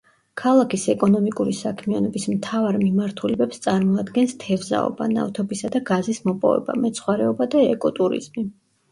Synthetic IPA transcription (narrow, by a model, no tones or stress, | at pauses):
kʰalˠakʰisɛkʼɔnɔmikʼuɾisakʰmianɔbismt̪ʰavaɾmimaɾt̪ʰulɛbɛpst̪sʼaɾmɔad̪ɡɛnst̪ʰɛvza̰ɔ̰ba̰na̰ft̪ʰɔbisad̪aɡazismɔpʼɔ̰vɛ̰ba̰mɛt̪sʰχwaɾɛɔbad̪aɛkʼɔt̪ʼuɾḭz̥mi